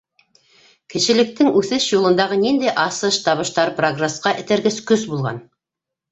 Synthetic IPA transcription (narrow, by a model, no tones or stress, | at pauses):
kɘ̆ʃɘ̆lɘ̆k̚t̪ɘŋʉθɘʃjulˠɤ̆nd̪ɑʁɤnind̪æjʔɑsɤʃt̪ɑβɤ̆ʃt̪ɑɾproɡresqɑʔɘ̆t̪æ̆ɾɡɘskɵsbulˠʁɑ̰n